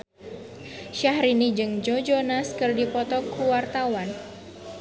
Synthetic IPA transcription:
ʃahɾinid͡ʒɨŋd͡ʒod͡ʒonaskɨrdipɔt̪ɔkuwart̪awan

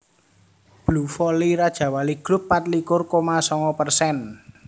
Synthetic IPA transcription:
b̥lufɔliɾad̥ʒ̥ä̤waliɡ̥ɾʊpːat̪̚likʊrkomasɔŋɔpərsɛn

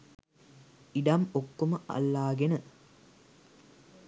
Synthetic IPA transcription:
iɖɐmokːuməʔɐ̰lːaːɡenɨ

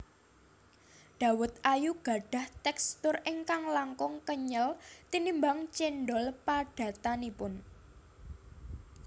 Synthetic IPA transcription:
ɖ̪̥ä̤wʊt̪̚ʔajuɡ̥a̤ɖ̥a̤ht̪ɛkst̪ʊriŋkaŋlaŋkʊŋkəɲəlt̪inimbaŋt͡ʃenɖɔlpaɖ̥ä̤t̪anipʊn

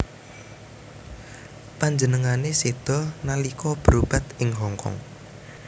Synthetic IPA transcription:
paɲd͡ʒənəŋanesed̪̥ɔ̤nalikɔb̥əɾub̥a̤t̪ɪŋɦɔŋkɔ̰ŋ

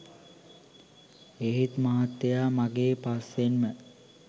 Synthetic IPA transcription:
eɦit̪maɦat̪ːejaːmaɡeːpasʋenmə

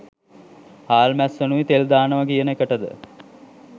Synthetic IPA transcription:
haːlmæsʋenuʋit̪eld̪aːnəʋakijənəekəʈəd̪ə̰

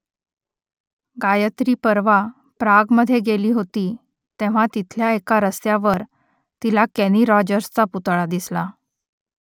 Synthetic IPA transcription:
ɡajət̪ɾiːpəɾʋa | pɾaɡməd̪ʱːjeɡeliːɦot̪iː | t̪eʋ̤at̪it̪ʰljaekaɾəst̪jaʋəɾ | t̪ilakɛniɾɔd͡ʑəɾst͡saput̪ɭad̪isla

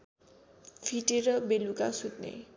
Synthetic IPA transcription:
pʰiʈeɾʌbelukasut̪nḛ

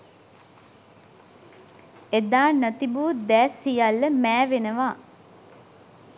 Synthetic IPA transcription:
ed̪aːnət̪ibud̪ɛːsijalːəmæːʋenəʋa

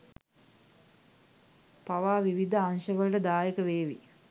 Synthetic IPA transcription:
paʋaːʋiʋid̪ʱəaŋʃəʋəlʈəd̪aːjekəʋeːʋi

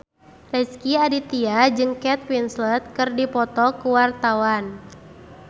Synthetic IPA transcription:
rɛskiadit̪iad͡ʒɨŋkɛt̪̚winslɛt̪̚kɨrdipɔt̪ɔkuwart̪awan

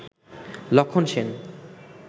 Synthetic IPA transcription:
lɔkʰːonʃen

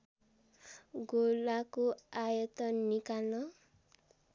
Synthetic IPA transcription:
ɡolakoajʌt̪ʌnikalnʌ

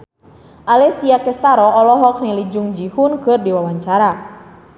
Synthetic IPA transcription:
ʔalɛsiakɛst̪aɾɔːlɔɦɔk̚nilid͡ʒuŋd͡ʒihunkɨrdiwawaɲt͡ʃaɾa

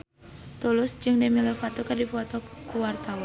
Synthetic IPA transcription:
t̪ulʊsd͡ʒɨŋdemilefat̪okɨrdifɔt̪ɔkuwart̪awa

